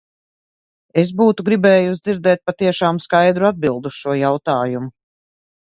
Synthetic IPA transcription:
es̬buːt̪uɡɾibɛːjuzd̪ziɾd̪ɛːt̪̚pat̪iɛʃaːmskajd̪ɾuad̪̚bilˠd̪uʃuɔjawt̪aːjumu

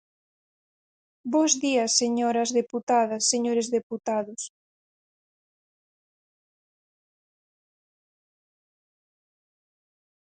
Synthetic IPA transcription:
bozðiɐsːeɲoɾɐzðeput̪aðɐsːeɲoɾezðeput̪aðʊs

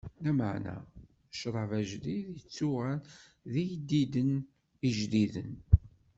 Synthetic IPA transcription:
læməʕnæ̰ | ʃɾˤɑvæʒliðjət͡sːuʁæl | ðijd̪id̪ən | iʒliðə̰n

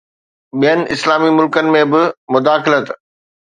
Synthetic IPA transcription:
ɓijənɪ̆ɪslaːmimʊlkənɪ̆mẽbɪmʊd̪aːxlət̪

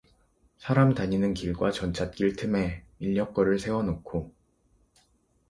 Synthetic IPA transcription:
sʰaɾamtaɲinɯnkiɭɡwat͡ɕʌnt͡ɕʰat̚k͈iɭtʰɯme̞ | iʎːʌk͈ʌɾɯɭsʰewʌnokʰo

